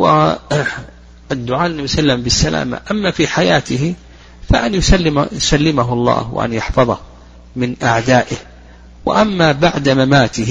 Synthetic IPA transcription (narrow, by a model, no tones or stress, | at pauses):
wɪ̰ | ʔɪd̪ːʊʕaːʔlɪnːabisalːambɪsːalʔa̰ːma̰ʔamːafiħajaːt̪ɪɦ | faʔanjʊsalːɪsalːɪmaɦʔɑlˤːɑ̰ːhwɪ̰ʔa̰njɑħfɑðˤɑh | mɪnʔaʕd̪aːʔɪh | wɪ̰ʔamːabaʕd̪amamaːt̪ɪh